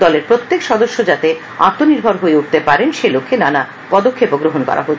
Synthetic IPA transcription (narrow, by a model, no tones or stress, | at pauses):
d̪ɔleɾpɾot̪ːekʃɔd̪oʃːod͡ʑat̪e | a̰t̪ːoniɾbʱoɾɦoeuʈ̚t̪epaɾenʃelokʰːenana | pɔd̪okʰːepoɡɾoɦonkɔ̰ɾa̰ɦo